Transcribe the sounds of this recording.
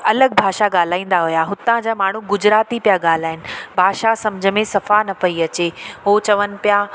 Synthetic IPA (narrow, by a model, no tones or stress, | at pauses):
ɐləɡ̚bʱaːʃaɠaːl̤aːĩːn̆d̪aɦʊjaɦʊt̪ãd͡ʑaːmaːɳ̤uɡʊd͡ʑɾaːt̪ipijaɠaːl̤aːɦɪnɪ̆bʱaːʃasɐmd͡ʑʱəmẽsɐfanɐpɐiɐt͡ɕeɦot͡ɕɐʋənɪ̆pija